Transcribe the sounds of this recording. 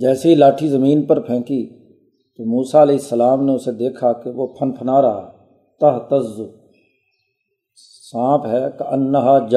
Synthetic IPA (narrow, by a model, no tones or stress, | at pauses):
d͡ʒɛːseɦilaːʈʰizəmiːnpəɾpʰɛ̃ːkiː | t̪omuːsaːɪleːsːəlaːmneʊsed̪eːkʰakeʋoːpʰənpʰənaːɾɐɦa̰ː | t̪ɐɦt̪əzːʊ | sãːpɦɛːkənːəɦad͡ʒ